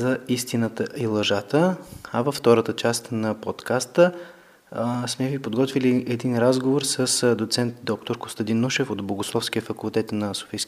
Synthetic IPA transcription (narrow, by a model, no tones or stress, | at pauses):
zɐist̪inət̪əʔilˠɐʒat̪əɐvɐfːt̪ɔɾət̪ət͡ʃast̪nɐpot̪kast̪ə | smɛvipod̪ɡɔt̪viliʔɛd̪inɾazɡovoɾsəsd̪ot̪sɛnt̪̚d̪ɔk̚t̪oɾko̥st̪ɐd̪inːuʃɛfod̪boɡoslˠɔfsk̟iəfɐkulˠt̪ɛt̪nɐso̥fisk